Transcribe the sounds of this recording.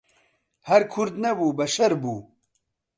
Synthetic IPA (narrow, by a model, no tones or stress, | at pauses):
hɐɾkʰʊɾd̪nɐbuːbɐʃɐɾbuː